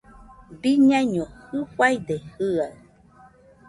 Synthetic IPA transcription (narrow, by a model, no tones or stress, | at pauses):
biɲãɲohɨfwaid̪ehɨaɯ